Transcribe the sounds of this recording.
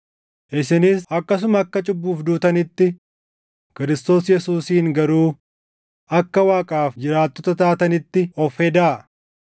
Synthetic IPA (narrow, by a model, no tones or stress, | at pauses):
ʔɪsɪnɪsɐkːɐs̬ʊmɐːkːɐt͡ʃʼʊbːuːfd̪uːt̪ɐnɪt̪ːɪ | kɪɾɪst̪o̞ːsjɛsuːsiːŋɡɐɾuː | ʔɐkːɐwaːkʼaːfd͡ʒɪɾaːt̪ːɔt̪ɐt̪aːt̪ɐnɪt̪ːɪɔfhɛd̪aː